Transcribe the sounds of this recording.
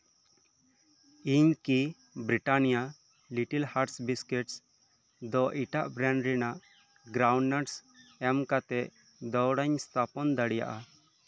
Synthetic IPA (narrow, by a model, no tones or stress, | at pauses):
iɲki | bɾiʈanija | liʈilhaʈsbiskɛʈs | d̪ɔʔiʈaʔbɾaɳɖɾinaʔ | ɡɾawɳɖnaʈsɛmkat̪ɛʔ | d̪ɔwɽaɲst̪ʰapɔnd̪aɽija̰ʔa